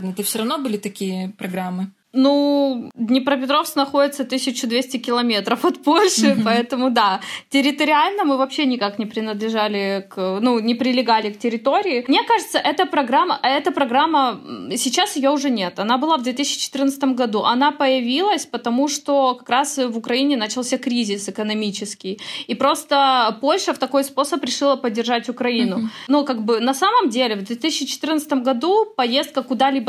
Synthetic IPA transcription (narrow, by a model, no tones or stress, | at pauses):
nət̪ɨfsʲoɾɐvnobɨlʲɪt̪ɐkʲijəpɾɐɡɾamːɨ | nud̪ʲnʲɪpɾəpʲɪt̪ɾo̞fsknɐxo̞dʲɪt̪sət̪ɨsʲɪt͡ɕʊd̪vʲesʲtʲɪkʲɪlˠɐmʲe̞t̪ɾəfɐt̪polʲʂɨpɐɛt̪əmʊd̪atʲɪɾʲɪt̪əɾʲɪalʲnəmɨvɐpɕːenʲɪkaknʲɪpɾʲɪnəd̪lʲɪʐalʲɪknunʲɪpɾʲɪlʲɪɡalʲɪktʲɪɾʲɪt̪o̞ɾʲɪːmnʲe̞kaʐɨt̪səʔɛt̪əpɾɐɡɾamːəʔɛt̪əpɾɐɡɾamːəsʲɪt͡ɕasjɪjoʊʐɛnʲet̪ɐnabɨlˠavd̪vʲet̪ɨs̬ʲɪːt͡ɕːɪ̥t͡ɕɪ̥t̪ɨrnt̪sət̪əmɡɐd̪uʔɐnapəjɪvʲilˠəsʲpət̪ɐmuʂt̪o̞kɐ̥kɾasvʊkɾɐinʲɪnat͡ɕɪlˠsʲakɾʲizʲɪsɨkənɐmʲit͡ɕɪskʲɪjipɾo̞st̪əpo̞lʲʂəft̪ɐko̞jspo̞səpɾʲɪʂɨlˠəpədʲːɪrʐatʲʊkɾɐinʊnukaɡ̚bɨnɐsaməmdʲelʲɪvd̪vʲet̪ɨsʲɪt͡ɕːɪt͡ɕɪ̥t̪ɨrnət̪sə̥t̪əmɡɐd̪upɐjest̪̚kəkʊd̪alʲibə